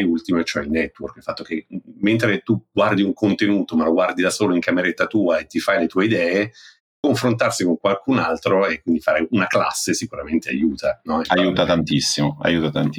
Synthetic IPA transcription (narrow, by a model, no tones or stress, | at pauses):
jult̪imoet͡ʃoɛilnɛt̪ːworkilfat̪ːok̟emːent̪ɾet̪uɡ̥ward̪iuŋkont̪enuːt̪omaloɡward̪id̪asoːloiŋkameɾet̪ːat̪uːaet̪ːifajlet̪uːeid̪ɛːe | kːoɱfɾont̪arsikoŋkwalkunalt̪ɾoekwind̪ifaːɾeunakla̰sːesikuɾament̪ea̰juːt̪anɔɛajuːt̪at̪ant̪isːimoa̰juːt̪at̪ant̪i